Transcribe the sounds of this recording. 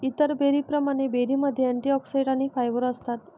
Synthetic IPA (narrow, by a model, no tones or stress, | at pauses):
it̪əɾbeɾipɾəmañebeɾiməd̪ʱjeɛɳʈiɔksajɖanifʰajʋəɾəst̪at̪